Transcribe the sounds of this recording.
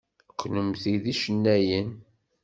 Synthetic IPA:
kʰʷːnəmθiðiʃənːæjən

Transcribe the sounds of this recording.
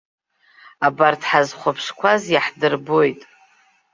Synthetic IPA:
abartʰħazχʷapʰʂkʷʰazjaħdɨrbojtʼ

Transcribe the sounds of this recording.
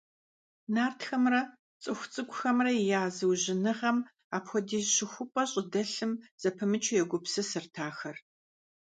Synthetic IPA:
naːrtʰxɐmrɐ | t͡sʼɨxʷʊt͡sʼɨɡʷʼʊxɐmrɐijaːzɨwʑɪnɨʁɐm | aːpxʷɔdiːɕɪxʷʊpʼɐɕʼɪdɐɬɨmz̥ɐpʰɨmɨt͡ʃʰʊjɛɡʷʊpsɨsɨrtʰaːxɐr

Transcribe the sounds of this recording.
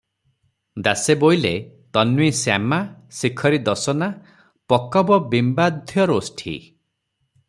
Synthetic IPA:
d̪asebojle | t̪ɔnwisja̰masikʰɔɾid̪ɔsɔna | pɔkɔbɔbimbad̪ʱjɔɾosʈʰḭ

